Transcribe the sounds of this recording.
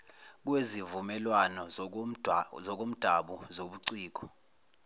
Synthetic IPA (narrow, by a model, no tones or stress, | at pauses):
k̬wezivumɛlwanɔ | zɔk̬om̩d̥ʱaɓuzoɓuǀiːk̬ɔ̥